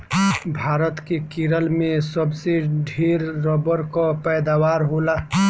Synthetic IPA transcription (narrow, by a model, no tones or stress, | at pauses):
bʱaːɾət̪kekiɾəlmẽsəbseɖʱeːɾːɔbəɾkapɛːd̪aːwaːɾɦola